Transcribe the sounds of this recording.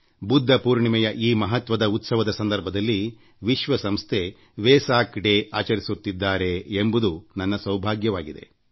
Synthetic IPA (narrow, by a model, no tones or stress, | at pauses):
bud̪ʱːɐpuːɾɳimɛjɐʔiːmɐɦɐt̪ʋɐd̪ɐut̪sɐʋɐd̪ɐsɐnd̪ɐɾbʱɐd̪ɐlːi | ʋiʃʋɐsɐmst̪ʰe | ʋɛːsaːkɖeaːt͡ʃɐɾisut̪ːid̪ːaːɾe̞ːmbud̪unɐnːɐsɐwbʱaːɡjɐʋaːɡid̪e̞̰